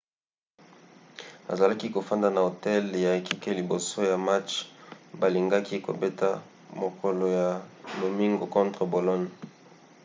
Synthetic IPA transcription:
a̰˨za˨la˦ki˦ko˨fa˦nda˨na˨o˨tɛ˦lja˨e˨ki˦ke˦li˨bo˨so˦ja˨ma˦t͡ʃba˨li˨ŋɡa˦ki˦ko̰˨be˦ta˦ | mo˨ko˨lo˨ja˨mo˨mi˦ŋɡo˨kɔ̃˦ntʁə˨bo˨lɔ˦n˨

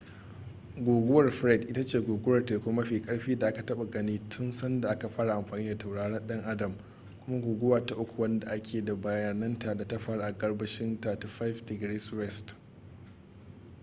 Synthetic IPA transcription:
ɡʷoː˨ɡʷʊ˦wɐ˨rɸɾɛ˦˨dʔɪ˦ta˦t͡ʃeː˦˨ɡʷoː˨ɡʷʊ˦wɐ˨rteː˨kʷʊ˦ma˦ɸiː˨kʼɐ˦ɽɸiː˦da˨ʔa˦ka˨tɐ˦ɓa˨ɡɐ˦niː˦tʰʊ˦nsɐ˦nda˨ʔa˦ka˨ɸaː˦ɽa˨ʔa˨mɸaː˨niː˦da˨ta˨wɽaː˦ɽɐ˦nɗɐ˦ŋʔa˦dɐ˨m | kʷʊ˦ma˦ɡʷoː˨ɡʷʊ˦waː˨ta˨ʔʊ˦kʷu˨wɐ˦nda˨ʔa˦kʲʰeː˨da˨ba˨jaː˨nɐ˦nta˨da˨ta˦ɸa˦ɽʔa˨ɡɐ˦ɽbɐ˦ʃɪ˦nta˨ta˦ɸa˦fdɪ˨ɡɾe˦swɛ˦˨st

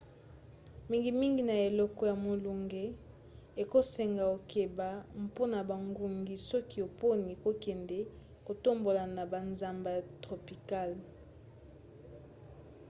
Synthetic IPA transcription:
mi˦ŋɡi˨mi˦ŋɡi˨na˨e˨lɔ˦kɔ˦ja˨mo˨lu˨ŋɡe˦ | e˨ko˦se˨ŋɡa˨o˨ke˨ba˨m˨po˦na˨ba˨ŋɡu˨ŋɡi˨sɔ˦ki˦o˨po˦ni˨ko˦kɛ˨ndɛ˦ | ko˨to˦mbo˨la˨na˨ba˨nza˨mba˨tʁo˨pi˨ka˦˨l

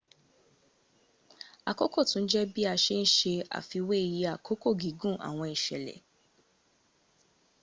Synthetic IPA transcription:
a˨kɔ˦kɔ˦˨tũ˨˦n̩˦d͡ʒɛ˦bi˦a˧ʃe˦n̩˦ʃe˧a̰˨fi˧we˦i˦˧˨ji˧a˨kʰo˦ko˦˨ɡi˨˦ɡũ˦˨a̰˨w̃ɔ̃˧i˨ʃɛ̰˨lɛ̰˨

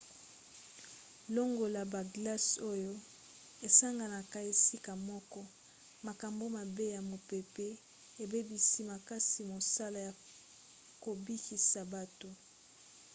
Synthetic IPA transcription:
lo˦ŋɡo˨la˨ba˨ɡla˦so˦jo˦ | e˨sa˦ŋɡa˨na˨ka˦e˨si˦ka˨mɔ˦kɔ˦ | ma˨ka˨mbo˦ma˨be˦ja˨mo˨pe˨pe˦ | e˨be˦bi˨si˦ma˨ka˦si˨mo˨sa˦la˨ja˨ | ko˨bi˦ki˨sa˨ba˨to˨

